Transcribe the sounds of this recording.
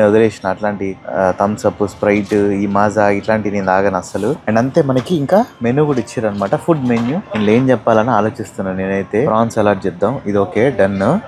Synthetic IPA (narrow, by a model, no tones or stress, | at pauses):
od̪ɐleːʂɐnɐʈlaːɳʈit̪ɐmsɐpːuspɾɐjʈiːmaːzaːiʈlaːɳʈiniːnd̪aːɡɐnɐsɐluɐɳɖɐnt̪e̞ːmɐnɐkiːŋkaːmenuɡuɽit͡ʃːɐːɾɐnːɐmaːʈɐpʰuɖmenjuinle̞ːnt͡ʃɛpːaːlɐniaːlo̞ːt͡ʃist̪unːaːneːnɐjt̪e̞ːɾaːnsɛlaːɾʈ̚t͡ʃɛd̪ːamid̪oːkeːɖɐnːu